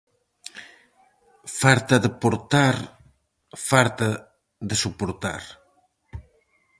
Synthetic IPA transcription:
faɾt̪aðəpoɾt̪aɾ | falt̪a | ðesupoɾt̪a̰ɾ

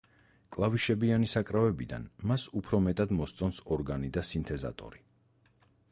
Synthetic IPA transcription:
kʼlˠaviʃɛbianisakʼɾavɛbid̪a̰nmasupʰɾɔmɛt̪ʼad̪mɔst̪sʼɔnsɔɾɡanid̪asint̪ʰɛza̰t̪ʼɔ̰ɾi

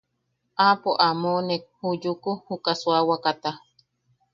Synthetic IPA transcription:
apoʔamonek̚hujukuhukaswawakat̪a

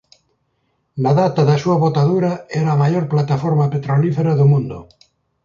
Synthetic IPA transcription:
laðat̪aðasuaβot̪aðuɾaeɾaamaʎoɾplat̪afoɾmapet̪ɾolifeɾaðomũnd̪o̰

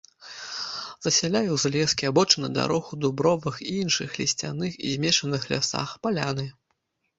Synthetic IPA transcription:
z̥ɐsʲalʲajɛwzlʲɛskʲiabɔt͡ʂɨnɐd̪a̰ɾɔxud̪ubɾɔvɨxiinʂɨxlʲisʲt͡sʲa̰nɨxḭzʲmʲɛʂɐnɨxlʲa̰sa̰xpalʲanɨ

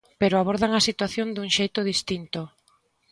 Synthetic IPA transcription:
peɾoaβoɾðaŋasit̪waθjond̪uŋʃejt̪oð̞ist̪int̪o

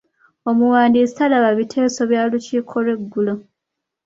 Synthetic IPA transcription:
omuwaːndiːsi̥alaβaβitʰe̞ːso̞βjaːluciːkʰo̞lwe̞ɡːulo

